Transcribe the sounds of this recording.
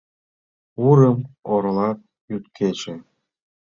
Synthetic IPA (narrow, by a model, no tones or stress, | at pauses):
uɾə̆moɾlɑt̪̚ | jyt̪kʰet͡ɕe